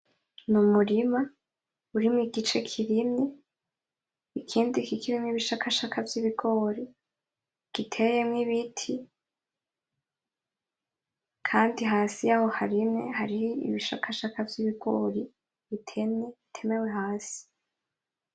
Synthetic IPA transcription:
numuɾima | uɾimŋiɡit͡ʃe̞kʰiɾimne | ikʰiːndikikʰiɾimŋiβiʃakʰaʃakʰavjiβiɡo̞ːɾi | ɡ̥itʰe̞jemŋiβitʰi | kʰaːndiɦaːsijaho̞haɾimḛhaɾihiḭβiʃakʰaʃakavjiβiɡo̞ɾi | βitʰeneitʰe̞me̞we̞haːsi̥

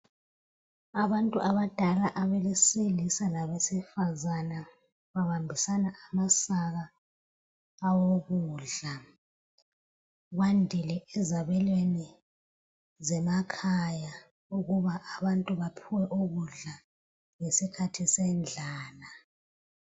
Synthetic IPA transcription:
aβantʼuʔaβad̥ʱalaʔaβeleselisanaβesifazana | βaβambʱisanaamasaɣa | woɣuːɮa | ɣwandʱilɛɛzaβɛlweni | zɛmakʰaja | uɣuβaʔaβantʼuβapʰuwɛʔuɣuɮa | ŋesikʰatʰisɛnd͡ɮʱaːla

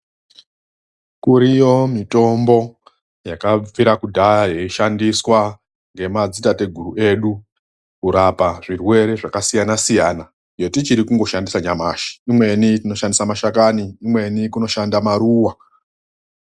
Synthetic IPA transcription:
kuɾijo̞mito̞mbo̞ | jakap͡fiɾakudʱajeiʃandiswa | ŋɡe̞mad͡zitate̞ɡʱuɾue̞ːɗu | kuɾapaʐirwe̞ɾe̞ʐakasijanasijaːna | jotit͡ʃiɾikuŋɡo̞ʃandisaɲamaʃi̥imwe̞nitino̞ʃandisamaʃakaniːmwe̞nikuno̞ʃandamaɾuːwa

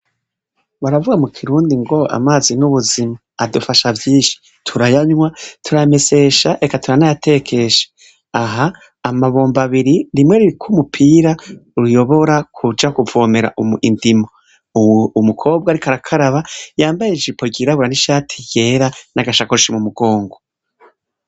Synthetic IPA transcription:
βaɾavuɡamukʰiɾuːndiŋɡo̞a̰maːzinuβuzimaːdufaʃavjiːnʃi̥ | tʰuɾajaɲwatʰuɾame̞se̞ʃaʔe̞katuɾanajatʰe̞kʰe̞ʃe̥ | aɦaː | maβo̞ːmbaβiɾiɾimwe̞ɾiɾikʰumupʰiːɾaɾujo̞βo̞ɾakʰud͡ʒakuvo̞ːme̞ɾa̰ʔumḭndimo | umukʰo̞ːb̚ɡaɾikaɾakʰaɾaβajaːmbajed͡ʒipoɡiɾaβuɾaniʃaːtʰi̥je̞ːɾanaɡaʃakoɾiʃimumuɡ̥o̞ːŋɡo

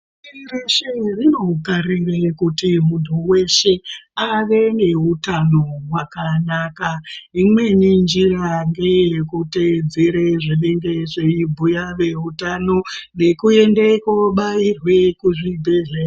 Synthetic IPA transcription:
iireʃerino̞kaɾirekutimuntuwe̞ʃe̞aʋe̞ne̞ɦutano̞wakanaːkaimwe̞nind͡ʒiraŋɡejekute̞d͡zeɾeʐiɗeŋɡeʐeibʱujaʋe̞utano̞ne̞kue̞ndekoɓairwe̞kuʐibʱeɮe

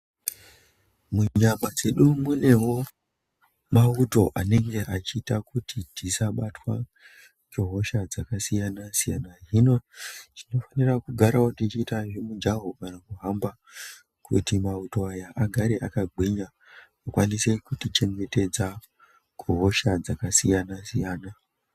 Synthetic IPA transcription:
muɲamad͡ze̞ɗumune̞ɦo̞ | mauto̞ʔane̞ŋɡe̞ʔat͡ʃiːtakutitisaɓatwa | d͡ʒoɦo̞ʃad͡zakasijanasijanaɦinot͡ʃino̞fanirakuɡʱaɾawotit͡ʃiːtaʐimud͡ʒaɦokanakuɦamba | kṵtimauto̞ajaʔaɡʱaɾe̞ʔakaɡ͡bwiɲa | okwanise̞kutit͡ʃe̞ŋɡe̞te̞d͡za | kuɦo̞ʃad͡zakasijanasijaːna

